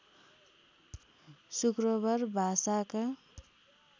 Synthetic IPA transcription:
sukɾʌbʱʌɾbʱasakʌ

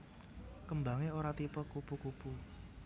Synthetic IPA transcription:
kəmbaŋeoɾat̪ipəkupukupu

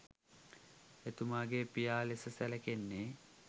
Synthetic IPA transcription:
et̪umaːɡepijaːlesəsæləkenːe

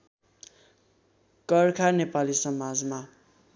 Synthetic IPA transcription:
kʌrkʰarnepalisʌmad͡zma

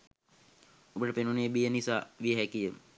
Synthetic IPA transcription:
ubəʈəpenuneːbijənisaʋiəɦɛkijə

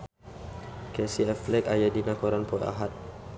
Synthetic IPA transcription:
kɛsiɛflɛkajadinakɔɾanpɔja̰ɦat̪̚

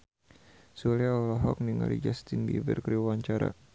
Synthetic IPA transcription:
suliaolɔɦɔk̚niŋa̰lḭd͡ʒast̪indḭbərkɾiaɲt͡ʃaɾa̰

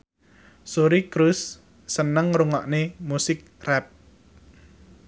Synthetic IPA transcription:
soɾikɾusː | ənəŋruŋɔ̰ʔnemusɪk̚rɛt̚

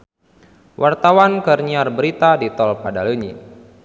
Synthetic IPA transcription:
wʔart̪awankərɲiarbəɾit̪adit̪ɔlpadaləɲḭ

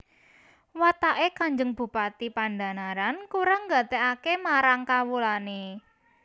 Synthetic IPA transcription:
wat̪aʔekaɲd͡ʒəŋb̥ṳpat̪ipanda̤naɾankuɾaŋɡa̤t̪ɛʔakemaɾaŋkawulane

